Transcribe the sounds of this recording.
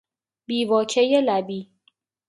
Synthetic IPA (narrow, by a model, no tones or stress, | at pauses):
biːvɒːcʰejelæbiː